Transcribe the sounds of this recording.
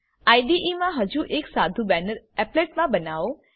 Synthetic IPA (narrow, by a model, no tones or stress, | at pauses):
aiɖiʔimãɦəd͡ʒuʔeksad̪ʱubɛnəɾ | ɛpleʈmãbənaʋo